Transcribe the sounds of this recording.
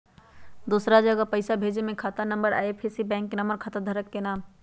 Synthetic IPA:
d̪uːsɾad͡ʒəɡapəɪsabʱeːd͡ʒmẽkʰat̪anəmbəɾa̰ːepʰesibɛ̃ːŋkːenəmbəɾkʰat̪ad̪ʱəɾəkːenaːm

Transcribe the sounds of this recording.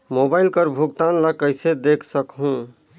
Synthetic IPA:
mobailkəɾbʱuɡt̪anlakəɪsed̪ekʰsəkɦũ

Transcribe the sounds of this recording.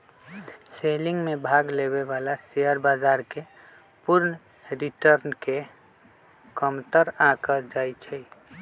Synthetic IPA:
seliŋɡmebʱaɡleβeβalaseəɾbad͡ʒaɾke | puɾn | ɾiʈəɾnke | kəmt̪əɾakəd͡ʒajt͡ʃʰɛ

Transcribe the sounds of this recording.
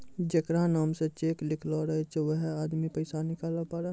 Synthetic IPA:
d͡ʒekɾanaːmset͡ʃeːklɪkʰloɾəɦet͡ʃʋəɦaːd̪mipəɪsanɪkaːlapaːɾe

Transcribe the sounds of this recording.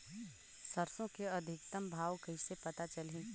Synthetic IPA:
sɐɾsõkeɐd̪ʱɪk̚t̪əmbʱaːʋkəɪsepɐt̪at͡ʃɐlẽ

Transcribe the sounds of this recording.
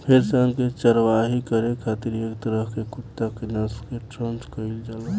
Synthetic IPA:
pʰeɾseənket͡ʃəɾʋaɦikəɾekʰat̪iɾjekt̪ɾəɦkekut̪ːakenəskeʈɾənt͡ʃkəild͡ʒaːlo

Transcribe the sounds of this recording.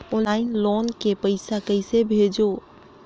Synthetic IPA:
ʊnaːĩnlonkepəɪsakəɪsebʱed͡ʒo

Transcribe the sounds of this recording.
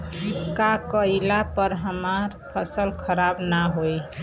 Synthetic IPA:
kakəilapəɾɦəmaɾpʰəsəlkʰəɾabnaɦoj

